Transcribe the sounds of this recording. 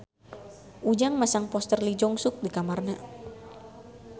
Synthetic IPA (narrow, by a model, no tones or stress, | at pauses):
ʔud͡ʒaŋmasaŋpɔst̪ərlid͡ʒɔŋsʊk̚dikamarna